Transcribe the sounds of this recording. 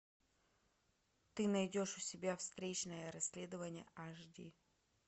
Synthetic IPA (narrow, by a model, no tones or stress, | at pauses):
t̪ɨnɐjdʲoʂʊsʲɪbʲafst̪ɾʲet͡ɕnəjəɾɐsʲlʲe̞d̪əvənʲɪjə̰ʔaʐdʲḭ